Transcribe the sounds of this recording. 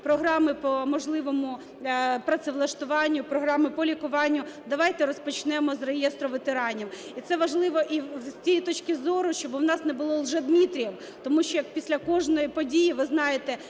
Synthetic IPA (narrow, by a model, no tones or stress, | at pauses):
pɾɔɦɾɑmɪpɔmɔʒlˠɪʋɔmʊ | pɾɐt̪sɪʋlˠɐʃt̪ʊʋɑnʲːʊpɾɔɦɾɑmɪpɔlʲikʊʋɑnʲːʊd̪ɐʋɑjt̪ɛɾɔspɔt͡ʃnɛmɔzrejɛst̪ɾɔʋet̪eɾɑnʲiw | it̪sɛʋɐʒlˠɪʋɔʔisʲt͡sʲijit̪ɔt͡ʃkɪzɔɾʊʃt͡ʃɔbwnɑsnɛbʊlˠɔlˠʒɛd̪mʲit̪ɾʲjɐw | t̪ɔmuʃt͡ʃɔjɐk̚pʲisʲlʲɐkɔʒnɔjipɔdʲijiʋɪznɑjet̪ɛ